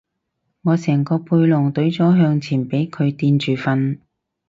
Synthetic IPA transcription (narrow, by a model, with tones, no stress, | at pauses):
ŋɔː˨˧sɛː˨˩ŋkɔː˧pʰuː˧jlʊ˨˩ŋt̪ɵ˨˥ɥt͡sɔː˨˥ɦœː˧ŋt͡sʰiː˨˩npe˨˥jkʰɵ˨˧ɥt̪iː˧nt͡ʃyː˨˩fɐ˧n